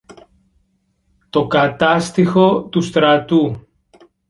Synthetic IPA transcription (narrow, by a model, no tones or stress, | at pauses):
t̪o̞kɐt̪ɐst̪ixo̞t̪ust̪ɾɐt̪u